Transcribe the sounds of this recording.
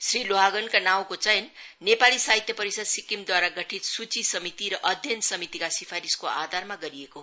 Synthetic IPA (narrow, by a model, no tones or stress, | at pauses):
sriloɦaɡʌnkanaw̃kot͡sʌjʌnː | epalisaɦit̪jʌpʌɾisʌd̪sikimd̪waɾaɡʌʈʰit̪sut͡sisʌmit̪iɾʌʔʌd̪ʱjʌnsʌmit̪ikasipʰaɾiskoad̪ʱarmaɡʌɾieko